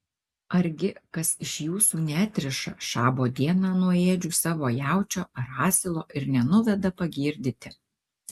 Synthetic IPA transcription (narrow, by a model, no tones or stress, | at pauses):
ɐɾʲɡʲɪkɐsɪʃjuːsuːnʲæːt̪ʲɾʲɪʃɐʃɑːboːd̪ʲiɛnɑːnuɔeːd͡ʒʲuːsɑːʋoːjæˑʊt͡ʃʲoːɐɾɑːsʲɪlˠoːʔɪɾnʲɛnʊʋʲɛd̪ɐpɐɡʲiːɾʲd̪ʲɪt̪ʲɪ